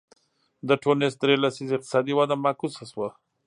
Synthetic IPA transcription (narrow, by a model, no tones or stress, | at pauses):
d̪əʈʰonesd̪ɾelasizɪq̚t̪ɪ̥sɑd̪iwad̪amakusaswa